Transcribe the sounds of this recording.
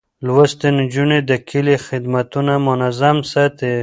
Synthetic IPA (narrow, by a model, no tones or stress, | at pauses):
lwast̪end͡ʒuned̪əkʰɪlexɪd̪mat̪unamʊnazamsat̪e